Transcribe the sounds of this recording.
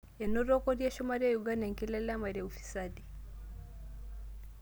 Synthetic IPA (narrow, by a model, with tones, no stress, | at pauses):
ɛ˨nɔ˦ɾɔ˦kɔ˦ɾja˦ʃɔmaɾiaju˨ɡa˦na˨ŋki˦lɛ˦lama˨ɾjaufi̥˨sadi˨